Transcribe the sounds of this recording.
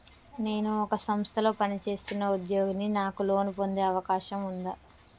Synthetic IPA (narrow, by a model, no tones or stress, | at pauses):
ne̞ːnuɔkɐsɐmst̪ʰɐlo̞ːpɐnit͡ʃe̞ːst̪unːɐud̪jo̞ːɡɐnːinaːkulo̞ːnipo̞nd̪e̞ːɐʋɐkaːʃɐmund̪aː